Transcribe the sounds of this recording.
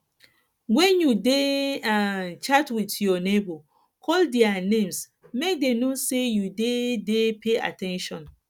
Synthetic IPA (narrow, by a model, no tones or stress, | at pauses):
wɛ̃njudeat͡ʃatwitjɔnebo | kʰɔldianẽms | mek̚denosejudedepʰea̰tɛ̃nʃɔ̃n